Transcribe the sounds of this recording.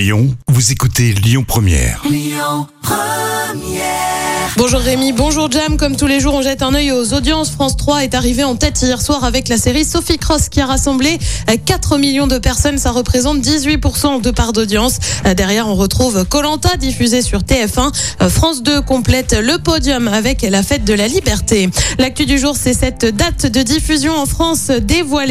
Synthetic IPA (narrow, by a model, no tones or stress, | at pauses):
jɔ̰̃vuzekut̪eljɔ̃pχəmjɛ̰ːʁ | p | mjɛbɔ̃ʒuʁːemibɔ̃ʒuʁd͡ʒamkɔmt̪uleʒuʁɔ̃ʒɛt̪ɛ̃nœjozod̪jɑ̃sfχɑ̃st̪χwaɛt̪aʁiveɑ̃t̪ɛt̪ijɛʁswaʁavɛklaseʁisɔfikχɔskʲiaʁasɑ̃blekat̪χəmiljɔ̃d̪əpɛʁsɔnsaʁəpχezɑ̃t̪̚d̪izɥipuʁsɑ̃d̪əpaʁd̪od̪jɑ̃sd̪ɛʁjɛʁɔ̃ʁət̪χuvkɔlɑ̃t̪ad̪ifyzesyʁt̪eɛfɛ̃fχɑ̃sd̪økɔ̃plɛt̪ləpɔd̪jɔmavɛklafɛt̪̚d̪əlalibɛʁt̪elak̚t̪yd̪yʒuʁsɛsɛt̪d̪at̪d̪əd̪ifyzjɔ̃ɑ̃fχɑ̃sd̪evwal